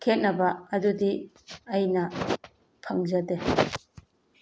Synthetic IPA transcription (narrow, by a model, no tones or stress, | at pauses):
kʰet̚nɐbaːdudi | ajnɐ | pʰaŋzade